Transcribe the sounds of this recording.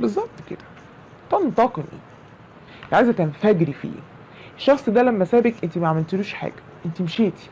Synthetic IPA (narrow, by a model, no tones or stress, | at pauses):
bezˤːɑb̚t̪ked̪̥æ̥ | t̪ɑnt̪ɑqenḭː | t̪ʕaːjzæt̪ænfæɡɾifḭː | eʃːɑxsˤd̪ælæmːæsæːbekʔent̪imæʕamelt̪eluːʃħa̰ːɡ̥æʔent̪imeʃeːt̪i̥